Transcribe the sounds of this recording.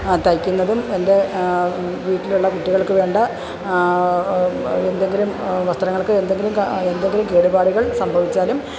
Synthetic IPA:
t̪ɐjkʲːunːɐðume̞nde̞ | ʋiːʈːiluɭːɐkuʈːiɣɐɭkɨʋe̞ːɳɖɐ | end̪e̞ŋɡilumʋɐst̪ɾɐŋːɐɭkɨend̪e̞ŋɡilumend̪e̞ŋɡilumke̞ːɽubaːɽuɣɐɭsɐmbʱɐʋit͡ɕːaːlum

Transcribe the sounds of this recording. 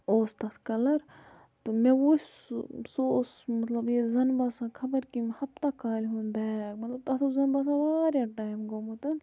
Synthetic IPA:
oːst̪ɐt̪ʰkɐlɐɾ | t̪umẽʋo | soːsmɐt̪lɐbjezɐnbaːsãːkʰɐbɐɾkimhɐbt̪akʰaːlɦunbɛːkmɐt̪lɐb̚t̪ɐt̪ʰuzɐnbaːsãːʋaːɾjaʈaːjmɡoːmut̪ɐn

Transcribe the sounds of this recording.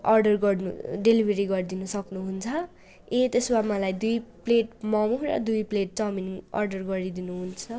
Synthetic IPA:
ʌrɖʌrɡʌrnuɖelibʱeɾiɡʌrd̪inʌsʌknuɦunt͡sʰʌ | et̪eswamʌlajd̪ujpleʈmʌmuɾʌ̰d̪ujpleʈ̚t͡sʌminiŋʌ̰rɖʌrɡʌɾid̪inuɦunt͡sʰʌ

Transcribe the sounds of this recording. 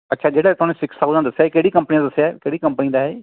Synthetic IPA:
ətːʃʰaːd͡ʒeːɽaːt̪ʊɦaːnẽːsɪkʰsakuːd̪aːd̪əsːjaːkeːɽiːkəmpnĩːãd̪əsːjaɛkeːɽiːkə̃mpənĩd̪aːɛː

